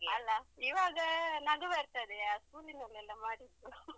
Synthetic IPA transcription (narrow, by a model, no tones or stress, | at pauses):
ɐlːaiʋaːɡɐnɐɡɐʋɐɾt̪ɐd̪eaːskuːlinɐlːɛlːɐmaːɽid̪u